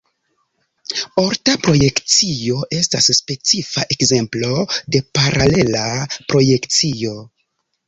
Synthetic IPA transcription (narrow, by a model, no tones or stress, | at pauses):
o̞ɾtapɾo̞je̞kt͡sio̞ʔe̞stasːpe̞t͡sifaʔe̞kze̞mplo̞de̞paɾʔale̞lapɾo̞je̞kt͡sio̞